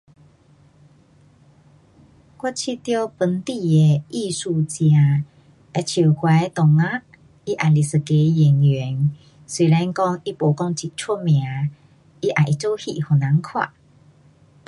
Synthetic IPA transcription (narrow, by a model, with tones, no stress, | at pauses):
kwa˦˥t͡ɕʰi˧t̪jɔ˧pə˨˧˦nt̪i˥˧˨e˨˧ʔi˥˧su˧t͡ɕja˨˧ | ɛ˧t͡ɕʰi˨˩kwa˧e˧t̪ɔ˨˩ŋa˦ | i˦ʔa˨˩li˨sɨ˨ke˨˧˦ji˨˩ŋjɛ˨˦ŋ | swi˨lɛ˧˦nkɔ˥˧ŋi˦po˨˩kɔ˧˦ŋt͡ɕi˨˩t̚t͡sʰu˦mj̃a˨˦ | i˦ʔa˨ʔi˨t͡so˦hḭ˧˨hɔ˨na˨˦ŋkʰwa̰˦˧˨